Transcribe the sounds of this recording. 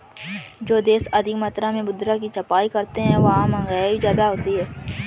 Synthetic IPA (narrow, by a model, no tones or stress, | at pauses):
d͡ʒoːd̪eːsɐd̪ʱikmɐt̪ɾãmẽbʊd̪ɾakit͡ʃɐpaːikɐɾt̪eɦɛ̃ʋɐɦãmə̃ŋɡaːizjaːd̪aɦoːt̪iɦɛː